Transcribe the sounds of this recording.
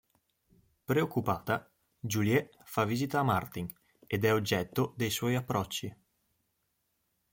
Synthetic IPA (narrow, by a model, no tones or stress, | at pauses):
pɾeokːupaːt̪a | d͡ʒuljɛ | favːizit̪aːmart̪iŋ | ed̪ɛod͡ʒːɛt̪ːod̪ejswɔjapːɾɔt͡ʃːi